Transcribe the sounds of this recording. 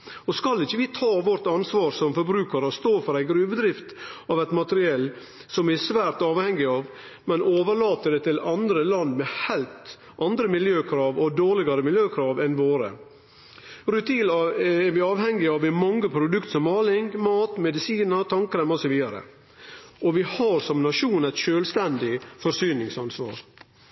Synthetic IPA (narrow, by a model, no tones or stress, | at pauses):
ɔskɑlːɪçəʋɪt̪ʰɑːʋɔɾt̪ɑnsʋɑːɾsɔmfɔɾbɾʉːkəɾɔst̪oːfɔɾæɪɡɾʉːʋd̪ɾɪft̪ɑʋæt̪mɑt̪ɾɪɛlː | sɔmɛsʋæːɾt̪ɑːʋhɛŋːɪɑːʋ | mɛnoːʋəɭɑːt̪əd̪ɛt̪ʰɪlɑnd̪ɾəlɑnːmɛhæɪlt̪ | ʔɑnd̪ɾəmɪljøːkʰɾɑːʋɔd̪oːɭɪɡɑɾəmɪljøːkʰɾɑːʋɛnʋoːɾə̰ | ɾʉt̪ʰiːlɑɛɾʋɪɑːʋhɛŋːɪɑʋɛmɑŋːəpʰɾʊd̪ʉkt̪sɔmːɑːlɪŋmɑːt̪mɛd̪ɪsiːnəɾt̪ʰɑŋkɾɛmɔsɔʋiːd̪ɑɾə̰ | ɔʋɪhɑɾsɔmnɑʂuːnæɪt̪ʃøːlst̪ɛnd̪ɪfɔɾsyːnɪŋsɑnsʋɑ̰ːɾ